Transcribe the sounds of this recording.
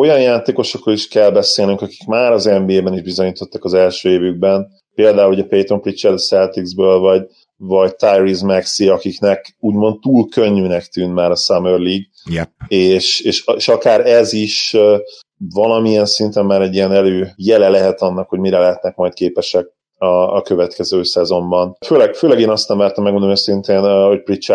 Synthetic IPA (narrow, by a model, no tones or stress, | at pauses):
o̞jɒnjaːt̪eːko̞ʃo̞kroliʃkɛlbɛseːlnyŋkɒki̥kmaːɾɒzɛmbieːbɛniʒbizo̞ɲiːt̪o̞t̪ːɒkɒzɛlʃøːeːvyɡ̚bɛn | peːld̪aːuluɟɛpejt̪omprit͡ʃɛrd̪sɛlt̪iɡzbøːlvɒɟ | vɒɟt̪ajrizmɛksiɒkiknɛkuːɟmo̞nt̪t̪ːuːlkøɲːyːnɛkt̪yːnmaːɾɒsamørliːɡ | jɛeːʃeːʃeʃɒkaːɾɛziʃø | vɒlɒmiɛnsint̪ɛmːaːɾɛɟijɛnɛløːjɛlɛlɛɦɛt̪ɒnːɒkho̞ɟmiɾɛlɛɦɛt̪nɛkmɒjt̪̚keːpɛʃɛk̚ | ɒːkøvɛt̪kɛzøːsɛzo̞mbɒnføːlɛɡføːlɛɡeːnɒst̪ɛɱvaːrt̪ɒmːɛɡmund̪onøsint̪eːnho̞c̚prit͡ʃɛ